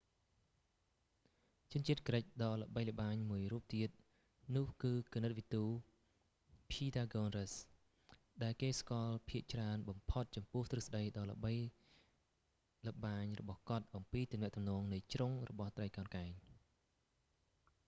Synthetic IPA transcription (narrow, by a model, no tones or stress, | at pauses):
t͡ɕʊ̆ənt͡ɕiət̪̚kərəc̚ɗɑːlə̆ɓəjlə̆ɓaːɲmuəjruəp̚t̪iət̪̚ | nʊ̆əhkɨːkənɨt̪̚ʋit̪uː | pʰiːdaːɡoːnrəs | ɗaɛlkeːskoɑlpʰiəʔt͡ɕraənɓɑmpʰot̪̚t͡ɕɑmpʊ̆əht̪rɨsɗəjɗɑːlə̆ɓəj | lə̆ɓaːɲrɔɓɑhkŏət̪̚ʔɑmpiːt̪umnɛ̆əʔt̪umnɔːŋnɨjt͡ɕroŋrɔ̰ɓɑht̪rəjkaənkaɛɲ